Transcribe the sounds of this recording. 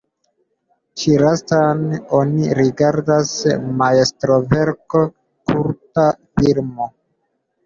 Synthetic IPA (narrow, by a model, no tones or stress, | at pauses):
t͡ʃiɾastano̞niɾiɡaɾdasmaestɾove̞ɾko | kuɾtafiɾmo̞